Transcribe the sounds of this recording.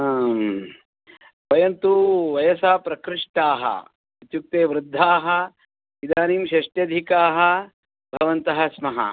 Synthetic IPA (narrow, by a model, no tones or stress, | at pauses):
ʋɐjɐnt̪uʋɐjɐsaːpɾɐkɾɪʂʈaːɦɐ̰ | ɐt̪juk̚t̪eːʋɾɪd̪ʱːaːɦɐ | id̪aːniːmʃɐʂʈjɐd̪ʱikaːɦɐ̆ | bʱɐʋɐnt̪ɐɦɐsmɐɦɐ̰